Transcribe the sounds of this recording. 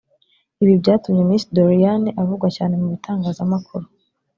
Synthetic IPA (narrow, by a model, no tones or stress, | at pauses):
iβibɟaːtumɲe̞mnisidoɾijaniʔavuɡwacaːne̞muβitʰaːŋɡaːzamakuɾu